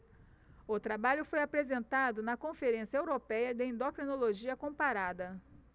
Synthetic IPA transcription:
ʊt̪ɾabaʎʊfojapɾezẽnt̪ad̪ʊnɐkõfeɾẽsjɐewɾopɛjɐd̪ɪẽnd̪okɾinoloʒiɐkõpaɾad̪ɐ

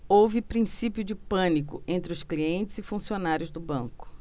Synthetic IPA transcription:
owvɪpɾĩsipjʊd͡ʒɪpɐ̃nikʊ̰ʔẽnt̪ɾɪʊskliẽnt͡ʃɪz̥ɪfũsionaɾjʊzd̪ʊbɐ̰̃ŋkʊ̥

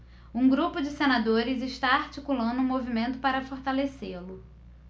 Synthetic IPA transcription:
ũɡɾupʊd͡ʒɪsenad̪oɾɪzɪʃt̪aaɾt͡ʃikulɐ̃nd̪ʊũmovimẽnt̪ʊpaɾɐfoɾt̪aleselʊ

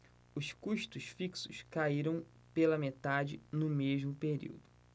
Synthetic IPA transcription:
ʊskuʃt̪ʊʃfiksʊʃkaiɾɐ̃w̃ | pelɐmet̪ad͡ʒɪnʊmeʒmʊpeɾḭwd̪ʊ

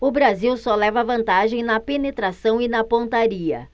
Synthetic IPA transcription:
ʊbɾaziwsɔlɛvɐvɐ̃nt̪aʒẽj̃nɐpenet̪ɾasɐ̃w̃ɪnɐpõnt̪aɾiɐ̰

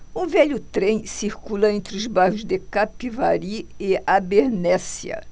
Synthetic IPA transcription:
ũvɛʎʊt̪ɾẽj̃siɾkulɐẽnt̪ɾɪʊzbahʊzd̪ekapivaɾiɪabeɾnɛsiɐ̰

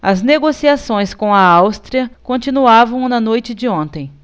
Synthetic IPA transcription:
ɐzneɡosiasõj̃skõw̃ɐawst̪ɾiɐkõnt͡ʃinuavɐ̃w̃nɐnojt͡ʃɪd͡ʒɪõnt̪ẽj̃

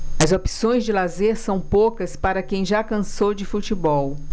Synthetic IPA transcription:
ɐzopi̥sõj̃zd͡ʒɪlazeɾsɐ̃w̃pokɐspaɾɐkẽj̃ʒakɐ̃sowd͡ʒɪfut͡ʃibɔw

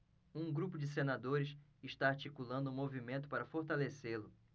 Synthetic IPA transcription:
ũɡɾupʊd͡ʒɪs̬enad̪oɾɪsɪʃt̪aaɾt͡ʃikulɐ̃nd̪ʊ̃movimẽnt̪ʊpaɾɐfoɾt̪aleselʊ

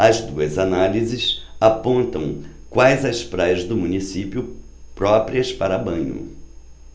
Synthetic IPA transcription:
ɐzd̪uɐzanalizɪsapõnt̪ɐ̰̃w̃ | kwajzɐspɾajɐzd̪ʊmũnisipjʊ | pɾɔpɾiɐspaɾɐbɐ̃ɲʊ̰

